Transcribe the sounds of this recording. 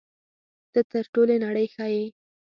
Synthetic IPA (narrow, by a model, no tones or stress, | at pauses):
d̪̥ət̪əɾʈolonaɽəjxɑje